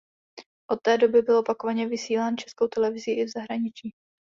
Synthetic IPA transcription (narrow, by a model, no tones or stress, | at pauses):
ʔo̞t̪ːɛːdo̞bɪbɪlʔopako̞vaɲɛvɪsiːlaːnt͡ʃɛ̥sko̞wt̪ɛlɛvɪziʔɪvzaɦɾaɲɪt͡ʃiː